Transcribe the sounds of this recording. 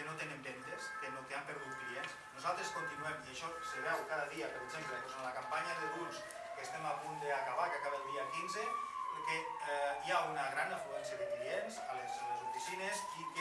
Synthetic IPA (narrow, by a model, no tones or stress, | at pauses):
enot̪enembent̪eskenot̪eampəɾðut̪̚kliens | nuzalˠt̪ɾeskont̪inuɛmiaʃɔseβɛwkaðəðiapəɾeɡzemplet̪osanlakampaɲaðeluls | kest̪ɛmapund̪eakaβakeakaβelˠd̪iakinzepɾke | iaunaɣɾanafluɛnsiəðeklienzalezlezufisinezik